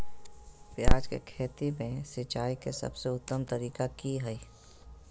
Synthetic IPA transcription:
pjaːd͡ʒkḛkʰeːt̪imẽsɪt͡ʃaːikesɐ̰bseʊt̪ːəmt̪əɾiːkakiɦəiː

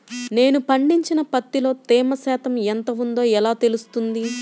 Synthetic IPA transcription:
ne̞ːnupɐɳɖiɲt͡ʃinɐpɐt̪ːilo̞ːt̪eːmɐsɛːt̪ɐment̪ɐʋund̪o̞ːɛlaːt̪e̞lust̪und̪i

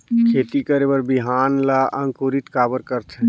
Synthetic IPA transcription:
kʰeːt̪ikəɾebəɾbɪɦaːnlaʔɐ̃ŋkoːɾɪt̪kaːbəɾkəɾt̪ʰɛ̃

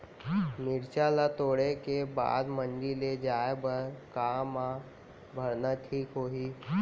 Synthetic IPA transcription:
nɪɾt͡ʃalat̪oɽekeba̰d̪mənd͡ʒiled͡ʒaebəɾkama | bʱəɾnaʈʰiːkɦoɦiː

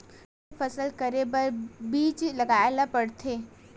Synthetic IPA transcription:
fəsəlkəɾebəɾbiːt͡ʃlɐɡaːelapəɽt̪ʰeː

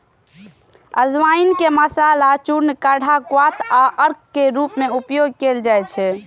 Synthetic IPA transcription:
əd͡ʒʋainkeməsalat͡ʃuɾnkaɽ̤ʱakwat̪ʰaʔəɾk̚ʰkeɾupmeupjoɡ̚keld͡ʒajt͡ʃʰɛ

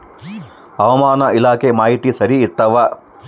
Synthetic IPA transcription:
ɐʋɐmaːnɐʔilaːkʰemaːɦit̪isɐɾiːt̪ːɐʋɐ

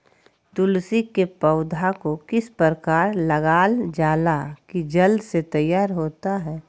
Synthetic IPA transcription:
t̪ʊlsikepəʊd̪ʱakokɪspəɾəkaːɾlɐɡaːld͡ʒaːlakid͡ʒɐlset̪ɐjːaːɾɦoːt̪aɦɛː

